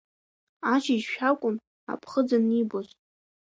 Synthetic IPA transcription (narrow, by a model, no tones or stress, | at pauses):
at͡ʃʰid͡ʒʃᶣakʷʼʊn | a̰pʰχəd͡zanibozʼ